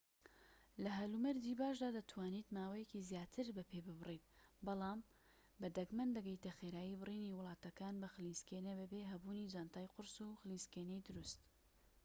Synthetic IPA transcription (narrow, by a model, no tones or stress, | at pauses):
lɐɦɐlumɛɾd̪ibaːʃd̪aːd̪ɐt̪ʰwaːnit̪maːwɐjɛkizjaːt̪ʰɨɾbɐpʰeːbɨbɨrit̪̚ | bɑlˠɑːm | bɐd̪ɐɡmɐnd̪ɐɡəjt̪ɐxeɾaːjibɨriːniwʊlˠɑːt̪ɐkaːnbɐxlinskenɐbɨbeɦɐbuːnid͡ʒaːnt̪aːjqʊɾsuxɨlinskenejd̪ʊɾust̪